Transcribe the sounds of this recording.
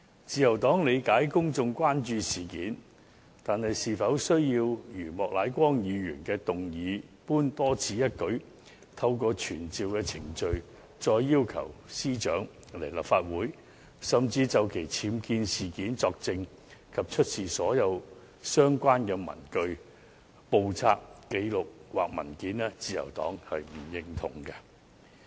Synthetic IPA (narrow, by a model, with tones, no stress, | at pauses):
t͡siː˧jɐ˨˩wt̪ɔː˨˥ŋle˨˧jkaː˨˥jkʊ˥ŋt͡sʊ˧ŋkʷwaː˥nt͡ʃyː˧siː˨˩kiː˨˥n | t̪aː˨nhɐ˨jsiː˨fɐ˨˥wsɵ˥ɥjiː˧wjyː˨˩mɔː˨k̚laː˨˥jkʷɔː˥ŋjiː˨˧jyː˨˩nkɛː˧t̪ʊ˨ŋjiː˨˧puː˥nt̪ɔː˥t͡sʰiː˨˥jɐ˥t̚kɵ˨˥ɥ | t̪ʰɐ˧wkɔː˧t͡ʃʰyː˨˩nt͡siː˨wkɛː˧t͡sʰɪ˨˩ŋt͡ʃɵ˧ɥ | t͡ʃɔː˧jːiː˥wkʰɐ̰˨˩wsiː˥t͡ʃœ̰ː˨˥ŋ | le˨˩jlɐ˨p̚faː˧t̚wuː˨˥j | sɐ˨mt͡siː˧t͡sɐ˨˧wkʰe˨˩jt͡sʰiː˨˥mkiː˧nsiː˨kiː˨˥nt͡sɔː˧k̚t͡sɪ˧ŋ | kʰɐ˨p̚t͡ʃʰɵ˥t̚siː˨˩sɔː˨˥jɐ˨˧w | sœː˥ŋkʷaː˥nkɛː˧mɐ̰˨˩nkɵ˧ɥ | po˨˧wt͡sʰaː˧k̚ke˨˧jlʊ˨k̚waː˨k̚mɐ̰˨˩nkiː˨˥nlɛː˥t͡siː˧jɐ̰˨˩wt̪ɔ̰ː˨˥ŋhɐ˨jm̩˨˩jɪ˨ŋt̪ʰʊ˨˩ŋkɐ˧